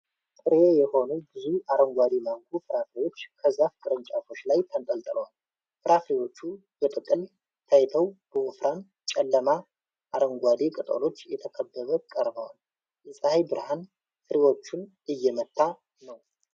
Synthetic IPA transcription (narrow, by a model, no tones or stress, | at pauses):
t̪ʼɨɾejɛho̞nubɨziʔaɾəŋɡʷad̪imaŋkʰufɨɾafɾewo̞t͡ʃːkʰəzːafkʰʼɨɾənt͡ʃʼafo̞t͡ʃːlajt̪ʰənt̪ʼəlt̪ʼɨləwal | fɨɾʔafɾewo̞t͡ʃːu | bət̪ʼɨkʼɨl | t̪ʰəjt̪ʰəwb̥əʔofɾʔan | t͡ʃʼɛlːəma | ʔaɾəŋɡʷad̪ikʼɨt̪ʼə̰lo̞t͡ʃːjɛt̪ʰəkʰəbːəβəkʼəɾbəwal | jɛsʼəhajbɨɾhan | fɨɾewo̞t͡ʃːunʔɨjːɛmət̪ʰːa | nəw